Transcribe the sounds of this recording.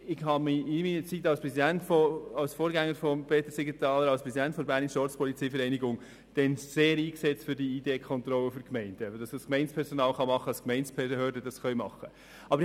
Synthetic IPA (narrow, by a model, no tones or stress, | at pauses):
ɪɡhɑmiɪmiːnət͡sitːɑlspɾɛzidæntfɔɑlsfoːɾɡæŋːəɾfɔmpʰeːt̪əsiɡit̪ɑːləɾɑlspɾɛsidæntfɔɾbæːɾnisʃtɔɾt͡spʰɔlit͡sɛɪfəɾɛɪniɡʊŋ | d̥ɛnseːɾiːksɛt͡stfʏɾdiideːkʰχɔnt̪ɾɔlːəfyɾkmɛɪnd̥əd̥ɑsdəskmɛɪnt͡spʰɛɾsɔnɑːlχɑmɑχːəɑskmɛɪnt͡spʰɛhøːɾdədɑsχœɥmɑ̰χə | ɑbɾɪ